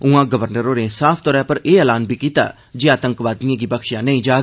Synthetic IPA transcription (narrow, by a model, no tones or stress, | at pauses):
ʊãːɡəʋəɾnəɾoːneːsaːpʰt̪ɔːɾɛ̃ːpəɾeːɛːlaːnbʱiːkiːt̪a̰ː | d͡ʒeːaːt̪ə̃ŋkʋaːt̪iãːɡiːbəkʃjãːnəĩːd͡ʒaː